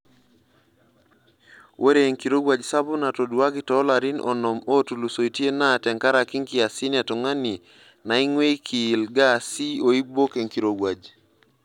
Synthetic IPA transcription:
wʔe˦ɾe˨ŋki˨ɾo˦ɡwa˨d͡ʒsa˦bʊ˦na˨to˨dwa˦kɪ˨tɔː˦la˨ɾi˦nʔɔ̰˨nɔ˨mo˦tu˨lu˨so˨i˨tje˦na˦tɛ˨ŋka˦ɾaki˦ŋkɪ˨a˨si˦na˨tɔ˨ŋa˦ni˨ | na˨i˦ŋwe˦kʰiː˨lɡa˦˨si˦o˨i˦bo˦ke˨ŋki˨ɾo˨ɡwad͡ʒ

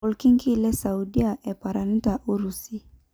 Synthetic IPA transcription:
ɔ˨lki˦ŋki˦lɛ˦sa˨udi˦a˨ʔɛ˨pa˨ɾa˨n̩˦ta˨ʔu˦ɾusi˦

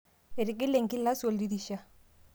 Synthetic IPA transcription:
e˨ɾɪ˨ɡɪ˦le˨ŋki˦la˦swo˨ldi˦di˨ʃa˦

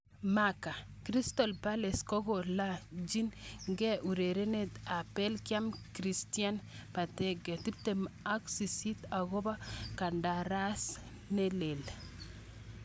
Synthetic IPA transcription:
maka˨ | kɾi˦stɔ˨lpa˦le˨skɔ˦ɡo˨la˦d͡ʒi˦nŋɡɛ˦ʔu˨ɾe˨ɾe˦ne˨ta˨pɛ˦lkja˦mkɾi˨stia˦npa˨tɛ˦ɡɛ˨ti˦p̚te˨ma˦ksi˨si˦ta˨ɣo˦ba˦ka˨nda˨ɾa˦s | ne˦le˨l

